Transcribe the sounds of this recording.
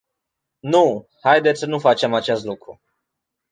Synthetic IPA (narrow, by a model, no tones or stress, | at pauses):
nu | hajd̪et̪ssənufat͡ʃe̞mat͡ʃest̪lukɾṵ